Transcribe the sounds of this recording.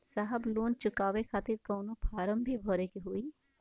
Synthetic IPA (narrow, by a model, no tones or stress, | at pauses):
saːɦəbloːnt͡ʃʊkaːʋekʰaːt̪ɪɾkɐːnopʰaːɾəmbʱibʱɔːɾekiɦui